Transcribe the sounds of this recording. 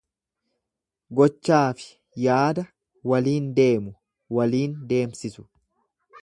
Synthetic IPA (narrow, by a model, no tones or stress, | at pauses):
ɡɔt͡ʃːaːfɪ̥ | jaːd̪ɐ | wɐliːnd̪e̞ːmʊ | wɐliːnd̪e̞ːmsɪsʊ̥